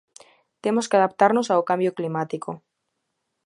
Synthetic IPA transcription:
t̪emoskeaðapt̪aɾnosaokambjoklimat̪iko

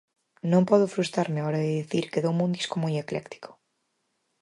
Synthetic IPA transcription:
nõmpɔðʊfɾust̪aɾmɪaɔɾɐðɪðiθiɾkeðowmũnd̪i̥skomojeklɛkt̪i̥ko̥

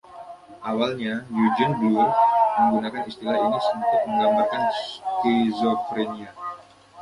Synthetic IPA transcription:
ʔawalɲajud͡ʒənbluərməŋɡunakanist̪ilahinisunt̪ʊk̚məŋɡambarkanskizofɾenia

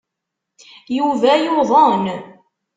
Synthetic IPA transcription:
juvæjoðˤən

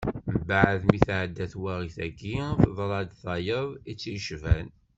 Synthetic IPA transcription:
mbaʕəðmiθʕəd̪ːæθwæʁiθæɡifðˤɾˤɑd̪θɑjəðˤit͡sːijʃvæn

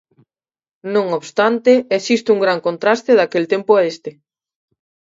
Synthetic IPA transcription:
nõŋoβst̪ant̪eesist̪uŋɡɾaŋkont̪ɾast̪eðakelt̪empoaest̪e

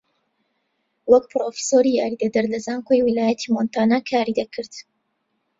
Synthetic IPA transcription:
wɐkpɾoːfi̥soːɾijaːɾid̪ɐd̪ɐɾlɐzaːŋkʰojwilaːjɐt̪ʰimont̪aːnakʰaːɾid̪ɐkʰɨɾt̪

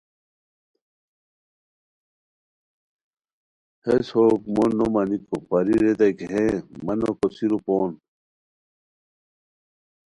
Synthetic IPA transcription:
heshoːkmonːomɐnikopɐɾiɾed̪ɐkeɦẽmɐnokosiɾupoːn

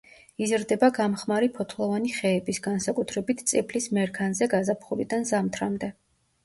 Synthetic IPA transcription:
izɾd̪ɛbaɡamχmaɾipʰɔt̪ʰlˠɔvaniχɛːbisɡansakʼut̪ʰɾɛbit̪ʰt̪sʼipʰlismɛɾkʰanzɛɡazapʰχuɾid̪anzamt̪ʰɾamd̪ɛ

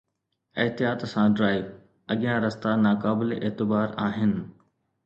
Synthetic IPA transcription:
ɪɦt̪ijaːt̪sãɖɾaːɪʋ | ɐɠɪjãɾɐst̪anaːkaːbɪleʔeːt̪ɪbaːɾaːɦɪnɪ̆

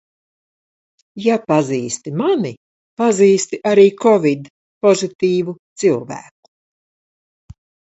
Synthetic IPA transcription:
japaziːst̪imani | paziːst̪iʔaɾiːkʰɔvʲid̪ | pɔzit̪iːvut̪silˠvæ̰ːk̚u̥

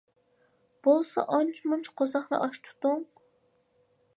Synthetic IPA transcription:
b̥olˠsɑ̰ʔɑnt͡ʃʰmunt͡ʃʰqʰozɑχnɑ̰ʔɑʃt̪ʰu̥t̪ʊŋ

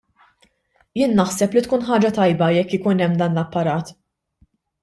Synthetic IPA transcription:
jɪːnːɐħsɛplit̪kuːnħɐːd͡ʒɐt̪ɐjbɐjɛkːjɪkuːnɛmːd̪ɐːnlɐpːɐɾɐːt̪

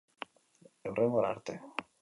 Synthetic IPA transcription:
ewreŋɡoɾa̰ɾt̪e

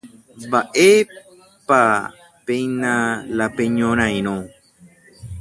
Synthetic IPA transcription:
mbaʔe | pa | pejnãlapeɲõɾ̃ãj̃ɾ̃õ

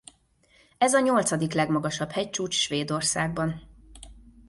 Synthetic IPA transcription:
ɛzɒɲo̞lt̪sɒd̪iklɛɡmɒɡɒʃɒbhɛc̚t͡ʃuːt͡ʃʃʋeːd̪o̞rsaːɡ̚bɒn

